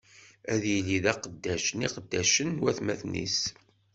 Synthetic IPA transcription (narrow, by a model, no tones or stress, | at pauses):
æðjilːiðæqəd̪ːæʃəniqəd̪ːæʃənːwæθmæθnḭs